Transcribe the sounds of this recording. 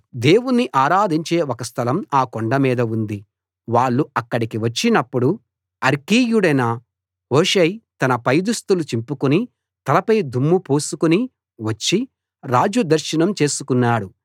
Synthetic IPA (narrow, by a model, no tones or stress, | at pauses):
d̪e̞ːwunːiʔaːɾaːd̪ʱiɲt͡ʃe̞ːɔkɐst̪ʰɐlɐmaːkoɳɖɐmiːd̪ɐund̪i | ʋaːɭːuɐkːɐɽikiʋɐt͡ʃːinɐpːuɽu | ɐɾkiːjuɽɐjnɐ | ɦoːʃɐjt̪ɐnɐpɐjd̪ust̪ulut͡ʃimpukuni | t̪ɐlɐpɐjd̪ʱumːupoːsukuni | ʋɐt͡ʃːi | ɾaːd͡ʒud̪ɐɾʃinɐmt͡ʃe̞ːsukunːaːɽu